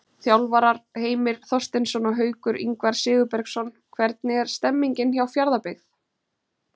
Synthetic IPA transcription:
θjawlvaɾaɾ̥heːjmɪɾ̥θɔst̪ɪnsɔnɔɦœːɥkʏɾḭŋkvaɾ̥sɪːɣʏpɛɾksɔn | kʰvɛɾt̪̚nɪɛɾ̥st̪ɛmːiɲcɪnçawfjaɾðapɪɣθ

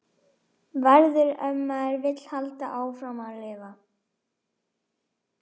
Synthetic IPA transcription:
vɛɾðʏɾœmːaɛɾvɪt̪l̥halt̪aʔaːwfɾamalɪːva

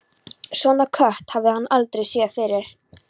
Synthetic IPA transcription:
svɔːnakʰœht̪havðɪhanːalt̪ɾejsjɛfɪɾɪɾ̥

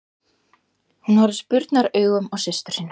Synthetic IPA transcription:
hunhaɾʏspʏɾt̪naɾœːɥɣʏmɔɣsɪst̪ʏɾ̥siːn

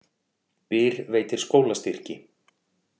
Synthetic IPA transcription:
pɪːɾveːjt̪ɪɾ̥skoːwlast̪ir̥cɪ

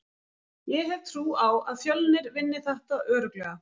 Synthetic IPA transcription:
jɛɦɛvt̪ʰɾuːawaðfjœlnɪɾvɪnːɪθaht̪aœːɾʏklɛɣa

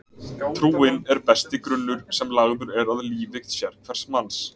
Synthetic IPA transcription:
t̪ʰɾuːɪnɛɾpɛst̪ɪkɾʏnːʏɾ̥sɛmlaɣðʏɾɛɾaðliːvɪxt̪sjɛɾ̥kʰvɛr̥smans

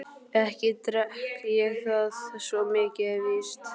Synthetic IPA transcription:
ɛhcɪt̪ɾɛht̪jɛɣθaðsvɔmɪːcɪɛvɪst̪

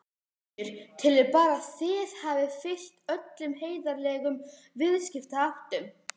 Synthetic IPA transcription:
ɾ̥t̪ʰɪlɪpaːɾaðθɪðhavɪfɪl̥t̪œt̪lʏmɦeːjðaɾlɛːɣʏm | vɪðscɪft̪aaht̪ʏm

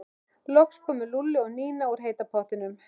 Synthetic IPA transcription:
lɔkskʰɔːmʏɾlulːɪɔɣniːnaɔɾ̥ɦeːjt̪apʰɔht̪ɪnʏm

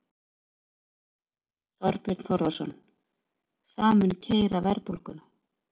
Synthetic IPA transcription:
θɔɾpɪt̪n̥θɔɾðɔsɔ̰n | θaːmʏncʰeːjɾavɛɾpulkʏna

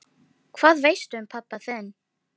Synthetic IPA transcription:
kʰv̥aːðvejst̪ʏʏmpʰapːaθɛnː

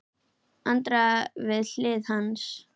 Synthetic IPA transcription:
ant̪ɾavɪðl̥ɪːðhans

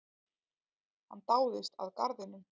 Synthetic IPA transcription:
ha̰nt̪aːwðɪst̪a̰ðkaɾðɪnʏm

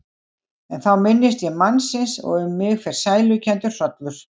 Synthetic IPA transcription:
ɛnθawmɪnːɪst̪jɛmːanːsɪnsɔ̰ɣɛmːɪɣfɪɾ̥saːjlʏcʰɛnt̪ʏɾ̥sœt̪lʏɾ̥

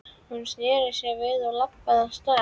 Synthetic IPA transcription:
hunsjɛːɾɪsjɛvɪðɔɣlapːaðanst̪aː

